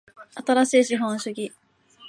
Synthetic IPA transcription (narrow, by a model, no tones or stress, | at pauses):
at̪aɾaɕiːɕiɦõɰ̃ɕɨɡʲi